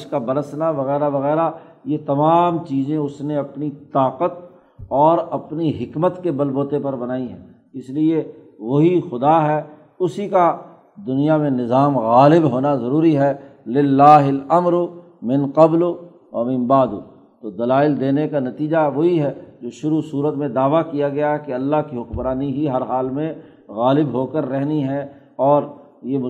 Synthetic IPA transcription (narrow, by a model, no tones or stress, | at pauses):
ʃkabɐɾəsnaʋɐɣɛːɾaʋɐɣɛːɾa | jet̪ɐmaːmt͡ʃiːzẽʊsneɐpnit̪aːqət̪ | ɔːɾɐpniɦɪkmət̪kebɐlboːt̪epɐɾbɐnaːiɦɛ̰̃ː | ɪslie | ʋoɦixʊd̪aɦɛː | ʊsika | d̪ʊnijamẽnɪzaːmɣaːlɪbɦoːnazɐɾuːɾiɦɛlɪlːaːɦɪlɐmɾʊ | mɪ̃nqɐblʊ | ʋɐmɪ̃nbaːd̪ʊ̰ | t̪oːd̪ɐlaːɪld̪eːnekanɐt̪iːd͡ʒaʋoɦiɦɛd͡ʒoːʃʊɾusuːɾət̪mẽd̪aːʋakijaɡɐjaɦɛkeɐlːaɦkiɦʊkbɾaːniɦiɦɐɾɦaːlmẽ | ɣaːlɪbɦoːkəɾːɛɦniɦɛ | ɔːɾ | je